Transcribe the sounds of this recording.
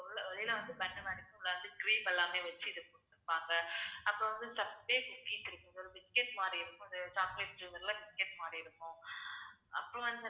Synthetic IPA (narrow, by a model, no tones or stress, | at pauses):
ɭːɐʋɛlɪjlaʋɐnd̪ɯbɐɳːɯmɐɳɪkːɯ̃lːɐʋɐnd̪ɯɡɾiːpɛlːãːmeːʋɐt͡ʃːɯɪðɐkʊɽt̪ːɯpːaːŋɡɐɐpːɾõʋɐnd̪ɯsɐbpeːkʊkiːʈːɪɾɯkːʊ̃sɔlːbɪskeʈmaːɾɐɪɾɯkːʊ̃ɪðɐsaːmkleːsd͡ʒuːmɐɾlabɪskeʈmaːɾɐɪɾɯkːʊ̃ | ɐpːɾɔ̃ʋɐnd̪ɯ